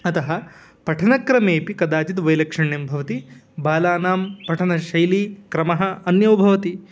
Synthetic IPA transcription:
ɐt̪ɐɦɐ | pɐʈʰɐnɐkɾɐmeːpikɐd̪aːt͡ʃit̪ʋɐjlɐkʂɐɳjɐmbʱɐʋɐt̪ibaːlaːnaːmpɐʈʰɐnɐʃɐjlikɾɐmɐɦɐːnjɐwbʱɐʋɐt̪i

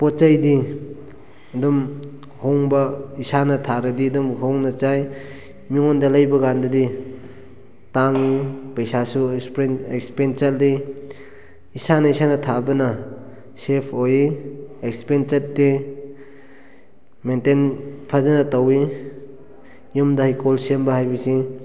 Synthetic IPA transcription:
pɔt̚t͡ʃɐjdi | dum | hoŋbɐisanɐtʰaɾɐdidumhoŋnɐt͡ʃaj | miŋɔndɐlajbɐɡandɐdi | taŋipɐjsasuek̚spenseldi | isanɐisanɐtʰabɐnɐ | sepʰojiekspent͡ʃet̚ːdi | mentenpʰazanɐtawi | jumdɐhajkolsembɐhajbɐsi

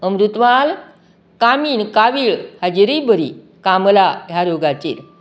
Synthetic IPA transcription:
əmɾut̪ʋal | kamiːnkaʋiːɭhad͡ʑiɾibəɾi | kamlajaɾjoɡat͡ɕḭːɾ

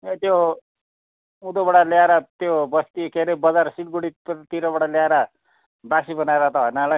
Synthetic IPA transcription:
et̪jo | ud̪obʌɽaljaɾat̪jobʌst̪ikeɾebʌd͡zaɾsiʈɡuɽit̪iɾabɔɽaljaɾa | basibʌnaeɾat̪ʌɦʌjnala

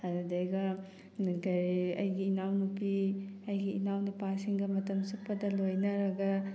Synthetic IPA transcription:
ɐddejɡɐ | ɡɐɾiɐ̰jɡiːnawnupiɐjɡiːnawnɐpasiŋɡɐmɐtɐmsupːɐdɐlojnɐɾɐɡɐ

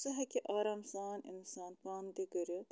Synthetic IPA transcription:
sɨɦɐkʲiʔaːɾaːmsaːnḭnsaːnpaːnd̪iɡɐɾi

